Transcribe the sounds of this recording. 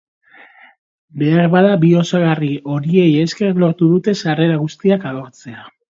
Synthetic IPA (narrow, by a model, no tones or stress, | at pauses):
be̞aɾβaðabio̞saɣario̞ɾie̞jeske̞rlo̞ɾt̪uðut̪e̞sare̞ɾaɣust̪iakaɣo̞ɾt͡se̞a